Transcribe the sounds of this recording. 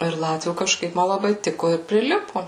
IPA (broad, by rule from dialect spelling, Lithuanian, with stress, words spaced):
ɪr ˈlˠɑːtʲʋʲuː kɐʃˈkɐɪp ˈmɐ lˠɐˈbɐɪ ˈtʲɪkoː ɪr pʲrʲɪˈlʲɪpʊ